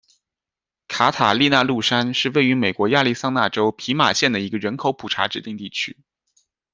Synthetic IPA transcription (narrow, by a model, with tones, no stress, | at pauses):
kʰa˧˥t̪ʰa˨˩li˥˧na˥˧lu˥˩ʂa˥nʂɻ̩˥˧we˥˩ɪy˧˥me˨˩ɪkwɔ˧˥ja˥˧li˥˩sɑ˥˧ŋna˥˩ʈ͡ʂo˥ʊpʰi˧˥ma˨˩ɕjɛ˥˩nd̪ə˩i˧˥ɡə˧ɻə˧˥nkʰo˧˥ʊpʰu˨˩ʈ͡ʂʰa̰˧˥ʈ͡ʂɻ̩˨˩t̪i˥˧ŋt̪i˥˩t͡ɕʰy̰˥